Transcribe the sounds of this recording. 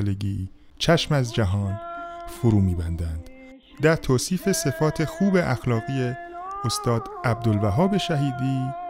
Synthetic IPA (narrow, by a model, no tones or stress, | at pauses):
leɟiː | t͡ʃʰæʃmæzd͡ʒæɦɒːnfoɾuːmiːbænd̪ænd̪̥ | d̪æɾt̪ʰoːsiːfe̞se̞fɒːt̪ʰe̞xuːbe̞ʔæxlɒːɣiːjeost̪ɒːd̪̥æb̚d̪olvæɦɒːbe̞ʃæɦiːd̪iː